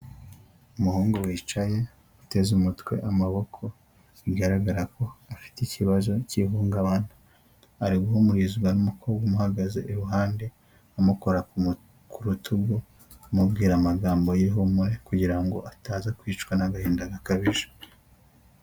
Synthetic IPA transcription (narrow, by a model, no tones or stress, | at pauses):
umuhuːŋɡowiːt͡ʃaje̞ | ute̞zumutwe̞̰ʔamaβo̞kʰo̞ | iɡaɾaɡaɾako̞afi̥ticiβazo̞ciɦuːŋɡaβana | aɾiɡuhumuɾizuɡanumukʰoːbɡamuhaɡaze̞̰ʔːɾuɦaːnde̞ | amuko̞ɾa | kʰuɾutʰuɡu | mubɡiːɾamaɡaːmbojeɦumuɾekuɟiɾaŋɡo̞̰ʔataːzakwiːt͡ʃkwanaɡahiːndaɡakaβiʒḁ